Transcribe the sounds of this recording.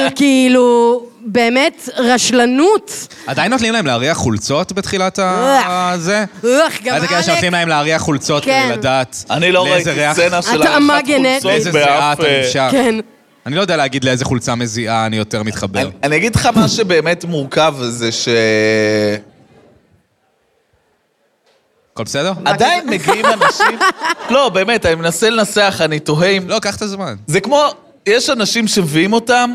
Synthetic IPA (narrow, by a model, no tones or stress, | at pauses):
kiilube̞ːmetʁaʃlanut | adajnːot̪limlaemleaʁiaχult͡so̞tbet̪χilata | zeaχɡaatakeleʃenolimlae̞mleaʁiaχult͡so̞tkladaːtaniloleezeʁeaenaʃlamaɡeneezeziatiʃaken | anilojdealeaɡid̪leezeχult͡sameziʔaːnijo̞t̪e̞ʁmit̪χabnanijaɡid̪lχamaʃebe̞ːme̞tmuʁkavzeʃe | kolbesedeʁadainmeɡiimanaʃimlo̞be̞ːme̞tanimenasele̞naseaχanito̞ɦemlo̞kaχt̪azmanzekmo̞ | jeʃanaʃimʃemviimo̞tam